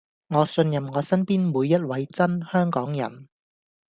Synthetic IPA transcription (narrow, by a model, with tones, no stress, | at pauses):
ŋɔː˨˧sɵ˧njɐ˨mŋɔː˨˧sɐ˥npiː˥nmuː˨˧jːɐ˥t̚wɐ˨˧jt͡sɐ˥nhœː˥ŋkɔː˨˥ŋjɐ̰˨˩n